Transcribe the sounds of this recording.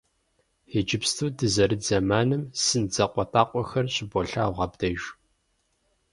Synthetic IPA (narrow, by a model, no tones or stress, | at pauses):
ed͡ʒɪpstʰuːdɨzɐɾɨzɐmaːnɨmsɨnd͡zɐqʷʼɔtʰʼaːqʷʼɔxɐrɕʼɪbɔɬaːʁɐbdɐʒ